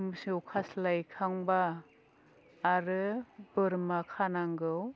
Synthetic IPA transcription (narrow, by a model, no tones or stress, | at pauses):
msewkʰaslajkʰaŋba | ɾɯbɯɾmakʰanaŋɡɯw